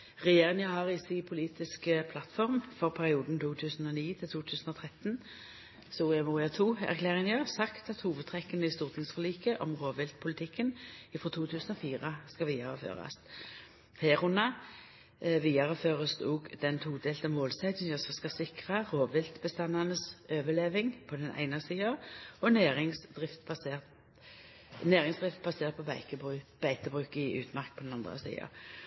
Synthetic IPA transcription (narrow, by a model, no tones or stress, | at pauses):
ʁɛjeːʁɪŋəhɑʁɪsipʰʊliːt̪ɪskəpʰlɑt̪fɔʁmfɔʁpʰæʁɪuːd̪n̩t̪ʰuːt̪ʰʉːsən̩ɔniːt̪ʰɪlt̪ʰuːt̪ʰʉːsən̩ɔt̪ʰʁɛt̪n | soːɛmʊʁɪɑt̪ʰuːæ̰ʁkʰleːʁɪŋjəsɑkt̪ɑt̪huːʋəd̪̚t̪ʰʁɛkːənəɪst̪uːʁt̪ʰɪŋsfəliːkəʔɔmʁoːʋɪlt̪̚pʰʊlɪt̪ʰɪkːənɪfʁɔt̪ʰuːt̪ʰʉːsn̩ɔfiːʁəskɑʋiːɑʁəfø̰ːʁɑ̰st̪ | heːʁʊnːɑ | ʋiːɑʁəføːʁəst̪uːɡd̪ɛnt̪ʰuːd̪eːlt̪ɑmmoːlsæɪd̪ənəsɔskɑsɪkʁɑʁoːʋɪlt̪bəst̪ɑnɑnəsøːʋəleːʋɪŋpʰɔd̪ɛnʔæ̰ɪnɑsiːɑɔneːʁɪŋsd̪ʁɪft̪bɑseːt̪ | neːʁɪŋsd̪ʁɪft̪̚bɑseːʁt̪̚pʰɔbæɪkəbʉb̥æɪt̪əbʁʉːkɪʔʉ̰ːt̪mɑʁk̚pʰɔd̪ɛnɑnd̪ʁə̰sḭːɑ̰